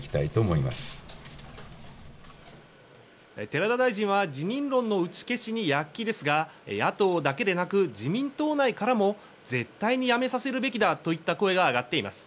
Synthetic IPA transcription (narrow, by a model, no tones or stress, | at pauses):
kʲi̥t̪ait̪o̞ːmo̞ima̰sɨ̥ | et̪e̞ɾad̪ad̪aiʑĩɰ̃βad͡ʑiɲ̟ĩnɾõ̞nːo̞ɯ̟t͡ɕi̥ke̞ɕiɲ̟ijakʲːid̪e̞sɨɡaḛat̪o̞ːd̪ake̞d̪e̞nakɯ̟d͡ʑimʲĩnt̪o̞ːnaikaɾamo̞ | ze̞t̪ːaiɲ̟ijame̞sase̞ɾɯ̟be̞kʲid̪at̪o̞it̪ːako̞e̞ɡaːɡat̪ːe̞imasɨ̥